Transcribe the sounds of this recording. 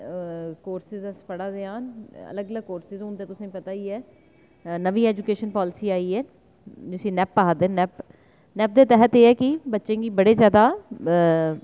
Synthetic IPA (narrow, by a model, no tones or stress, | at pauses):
koːɾsɪzəspəɽaːd̪eːaːnə̰ləɡələɡ̚koːɾsɪzõːnd̪eːt̪ʊsẽːpət̪aːiːɛː | nəʋiːɛːd͡ʒʊkeːʃənpɔːlɪsiːaːiːɛː | d͡ʒɪsĩːnɛːpːaːad̪ẽːnɛːp | nɛːp̚d̪eːt̪ɛɦət̪eːɛːkɪbətːʃẽːɡiːbəɽeːzjaːd̪aː